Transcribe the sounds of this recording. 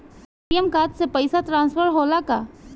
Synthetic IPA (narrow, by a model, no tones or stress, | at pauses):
ijəmkaːt̪sepɐɪsat̪ɾãːnspəɾɦoːlaka